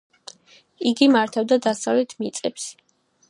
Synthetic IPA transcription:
iɡimaɾt̪ʰɛvd̪ad̪asavlɛt̪ʰmit̪sʼɛps

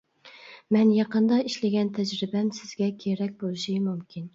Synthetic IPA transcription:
mɛnjɑqənd̪ɑiʃlɪɡʲɛnt̪ʰɛd͡ʒɾɪbɛmsɪzɡʲɛkʲʰeɾɛk̚ʲbolˠɨʃimumkʲin

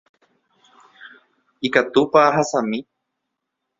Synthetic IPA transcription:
ikat̪upaɦasamĩ

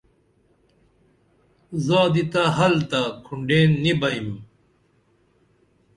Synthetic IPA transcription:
zaːd̪it̪aɦɐlt̪akʰuɳɖeːnːibɐim

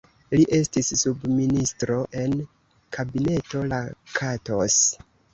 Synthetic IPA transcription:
liʔe̞stisːubministɾo̞ʔe̞n | kʰabine̞to̞lakʰato̞s

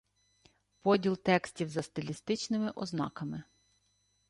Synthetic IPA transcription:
pɔdʲilˠt̪ɛksʲtʲiwzɐst̪ɪlʲist̪ɪt͡ʃnɪmɪʔɔznɑ̰kɐmɪ

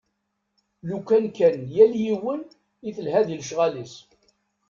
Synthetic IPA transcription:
lukænkænjæljiwən | iθəlɦæðilʃʁælis

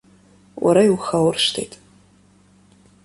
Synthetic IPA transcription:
wʔa̰ɾaiwxawrʂtʰḛjtʼ

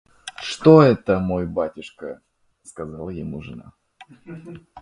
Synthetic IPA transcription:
ʂt̪oɛt̪əmojbatʲɪʂkə | skɐzalˠəjɪmuʐɨ̰na̰

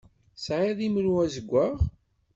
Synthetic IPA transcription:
sʕiðiməlwæzəɡʷːaʁ

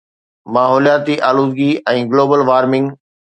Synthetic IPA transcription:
maːɦɔːljaːt̪iʔaːluːd̪ɡiɛ̃ːɡloːbəlʋaːɾmɪ̃ŋɡ

